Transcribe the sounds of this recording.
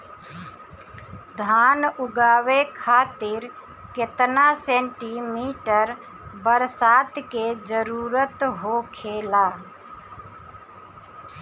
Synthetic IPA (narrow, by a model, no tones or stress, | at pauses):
d̪ʱaːnʊɡaːʋekʰaːt̪ɪɾ | ket̪nasẽːɳʈimiːʈəɾ | bəɾsaːt̪ked͡ʒəɾuːɾət̪ɦoːkʰeːlaː